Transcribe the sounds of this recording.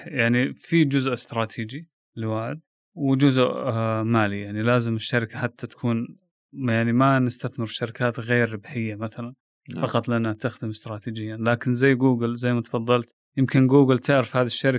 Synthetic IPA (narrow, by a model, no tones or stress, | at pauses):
jaʕnifid͡ʒʊzʔɪst̪ɾˤɑːt̪ʰiːd͡ʒi | lɪwaːħɪd̪̚ | wɪd͡ʒʊzʔmaːlijaʕnilaːzɪmɪʃːaɾɪkaħat̪ʰːat̪ḁkʰuːn | jaʕnimanɪst̪aθmɪɾʃaɾɪkaːt̪ɣeːɾːɪbħɪjːamaθalan | fɑqɑt̪ˤlʔanːat̪axd̪ɪmɪst̪ɾˤɑːt̪iːd͡ʒɪjːanlaːkɪnzajːɡuːɡɪlzajːmat̪ɑ̥fɑðˤːɑlt̪ | jɪmkɪnɡuːɡɪlt̪aʕɾɪfhaːðiʃːaɾɪ